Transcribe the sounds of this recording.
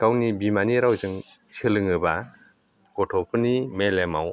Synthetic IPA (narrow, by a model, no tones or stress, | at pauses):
kawnibimaniɾawzɯŋsɯlɯŋɯba | ɡɔtʰɔpʰɯnimelema̰w